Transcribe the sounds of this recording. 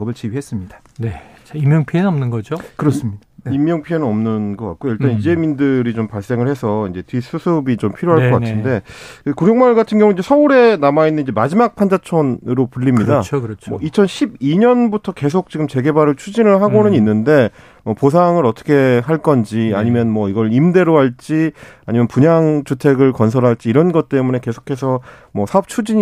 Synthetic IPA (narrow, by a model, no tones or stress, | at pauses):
ʌbɯɭt͡ɕibiɦe̞s͈ɯmɲid̥ḁ | net͡ɕaimːjʌŋpʰiennʌmnɯnɡʌd͡ʑokɯɾʌs͈ɯmɲidaimːjʌŋpʰienɯnʌmnɯnɡʌk͈a̰t̚k͈ojʌɭtt͈anid͡ʑe̞mindɯɾit͡ɕompaɭs͈e̞ŋɯɭhe̞sʰʌind͡ʑe̞tʰis͈ɯsʰɯbit͡ɕompʰiɾjoɦaɭkʌkatʰɯnde̞kuɾjʌŋmaɭɡatʰɯnɡjʌŋuiɲd͡ʑe̞sʰʌuɾe̞namainːɯnid͡ʑemad͡ʑimak̚pʰand͡ʑat͡ɕʰʌnɾopuʎːimɲidat͡ɕmʌit͡ɕʰʌnɕʰibiɲʌnbutʰʌke̞s̬ʰok̚t͡ɕiɡɯmt͡ɕe̞ɡe̞baɾɯɭt͡ɕʰud͡ʑinɯɭɦaɡonɯɲinːɯnde̞ | mʌpos̬ʰaŋɯɾʌt͈ʰʌ̥kʰe̞ɦaɭk͈ʌnd͡ʑia̰ɲimjʌnmʌiɡʌɭimde̞ɾoɦaɭt͡ɕ͈iaɲimjʌnpuɲaŋt͡ɕutʰe̞ɡɯɭkʌns̬ʰʌɾɦaɭt͡ɕ͈iːɾʌnɡʌt̚t͈e̞mune̞ke̞sʰo̥kʰe̞s̬ʰʌ | mʌsʰaʌp̚t͡ɕʰud͡ʑiɲ